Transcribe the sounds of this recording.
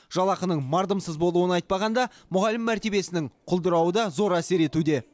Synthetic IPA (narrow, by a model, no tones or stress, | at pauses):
ʒɑlˠɑqənəɴmɑɾd̪əmsəzbo̞lˠuwənɑjt̪̚pɑʁɑnd̪ɑ | mʊʁɑlɪmːæɾt̪e̞be̞sɪnɪŋqʰʊlˠd̪əɾɑwəd̪ɑzo̞ɾæse̞ɾe̞t̪ud̪e̞